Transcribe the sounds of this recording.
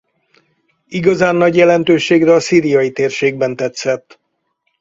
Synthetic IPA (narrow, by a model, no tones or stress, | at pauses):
iɡɒzaːnːɒɟjɛlɛnt̪øːʃeːɡrɛɒsiːɾijɒjit̪eːrʃeːɡ̚bɛnt̪ɛt̪sɛt̪ː